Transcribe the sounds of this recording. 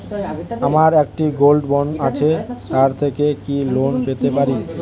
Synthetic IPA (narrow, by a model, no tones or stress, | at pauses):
amaɾɛk̚ʈiɡolɖbɔɳɖat͡ɕʰet̪aɾt̪ʰekekilonpet̪epaɾi